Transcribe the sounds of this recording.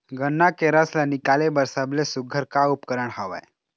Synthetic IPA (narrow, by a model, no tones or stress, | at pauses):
ɡənːakeɾəslənikalebəɾsəblesuɡʱəɾkaupkəɾəɽɦaʋa̰e